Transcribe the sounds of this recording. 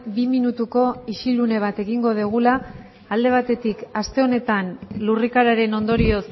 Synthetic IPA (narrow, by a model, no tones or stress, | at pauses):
biminut̪uko̞iʃilune̞β̞at̪e̞ɣiŋɡo̞ð̞iɣ̞ulaː | ld̪e̞β̞at̪e̞t̪ikast̪e̞o̞ne̞t̪anlurikaɾaɾe̞no̞nd̪o̞ɾio̞s